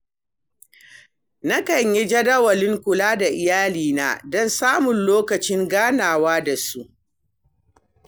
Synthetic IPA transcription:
na˦kɐ˨ɲjɛ˦d͡ʒɐ˦dɐ˦wɐ˨lɪ˦ŋkʷʊ˨laː˦da˨ʔɪ˨jaː˦liː˨na̰ː˨dɔ˦nsaː˦mʊ˨nloː˦kɐ˨t͡ʃɪ˦ŋɡaː˦naː˨waː˦da˨su˦ʔ

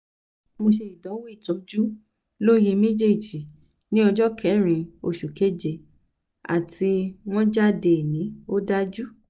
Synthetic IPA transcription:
mo˧ʃe˧i˨dɔ̃˨˦wu˦i˦˨tɔ̃˨˦d͡ʒu˦ | lo˦je˧mẽ˦d͡ʒe˦˨d͡ʒi˨ | nĩ˦ɔ˧d͡ʒɔ˦kʰɛ˨˦ɾ̃ĩ˧o˧˨ʃu˨ke˦d͡ʒe˧˨ | a̰˨tʰi˧w̃ɔ̃˦d͡ʒa˦˨de˧˨nĩ˨˦o˦da˦d͡ʒu˦

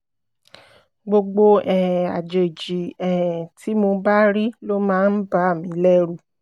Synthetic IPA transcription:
ɡ͡bo˧ɡ͡bo˧ɛ˨ɛ˨a˨d͡ʒe˨d͡ʒi˨ɛ̃˨ɛ˨ti˨˦mo˧ba˦ɾi˦lo˦mãː˦˧˦n̩˦ba˦a˦˨mĩ˨˦lɛ˦ɾu˦˨

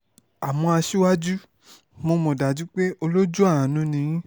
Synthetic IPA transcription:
a˨mɔ̃˧a˧ʃi˦wa˦d͡ʒu˦ | mo˧mɔ̃˨da˨d͡ʒu˦k͡pe˦ʔo˧lo˦d͡ʒu˦a˦˨ã˨nũ˧˦nĩ˧jĩ˦

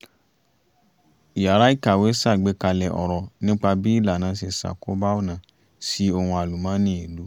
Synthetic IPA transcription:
i˨ja˨˦ɾa˦i˦˨ka˨we˨˦sa˦˨ɡ͡be˨˦ka˧lɛ˨ʔɔ̰˨ɾɔ˨nĩ˦k͡pa˧bi˦i˦˨la˨nã˨˦se˧˨sa̰˨ko˨˦ba˦o˦˨nã˨ | si˦o˧hũ˧a˨lu˨mã˨˦nĩ˦i˨lu˨˦

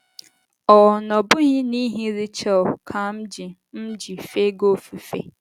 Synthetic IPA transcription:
ɔ˨nɔ̃˨bʊ˦hĩ˦nĩ˦ɦĩ˦ɾi˦t͡ɕʰɛ˦˨kʰã˦m̩˦d͡ʑi˨ | m̩˦d͡ʑi˨fe˦ɡo˦fi˨fḛ˦˨

